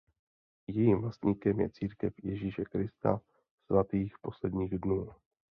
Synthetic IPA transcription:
jɛjimvlast̪ɲiːkɛmjɛ̰t͡siːɾkɛfjɛʒiːʃɛkɾɪst̪a̰ | svat̪iːxpo̞slɛdɲiːɣdnuː

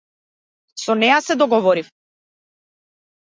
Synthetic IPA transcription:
sɔnɛjasɛd̪ɔɡɔvɔɾif

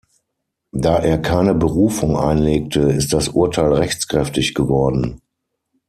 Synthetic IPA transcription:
d̥aːʔeːɐkʰaɪnəbəʁuːfʊŋʔa̰ɪnleːk̚tʰəɪst̚d̥asʔʊɐtʰaɪlʁɛçt͡skʁ̥ɛftɪçɡ̥əvɔɐdn̩

